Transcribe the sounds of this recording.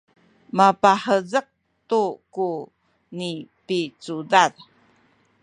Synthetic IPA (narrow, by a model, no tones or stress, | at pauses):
mapaħəzəq̚ | tuku | nipit͡sudaɾ